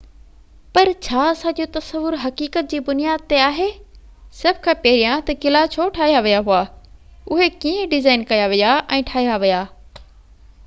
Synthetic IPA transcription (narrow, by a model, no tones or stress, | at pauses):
pɐɾt͡ɕʰaːsãd͡ʑiot̪ɐsəʋʊɾɦɐkiːkət̪̚d͡ʑiːbʊnijaːd̪̚t̪eaːɦe | sɐbʱɪkʰãpeɦɪɾijãt̪ɐkɪlat͡ɕʰoʈʰaːɦijaʋijaɦʊaː | ʊɦekiːẽɖɪzaːɪnkɐjaʋijaʔɛ̃ːʈʰaːɦijaʋijaː